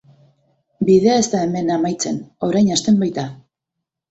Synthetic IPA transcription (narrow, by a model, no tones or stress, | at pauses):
biðe̞ae̞st̪ae̞me̞namajt͡se̞no̞ɾajɲast̪e̞mbajt̪a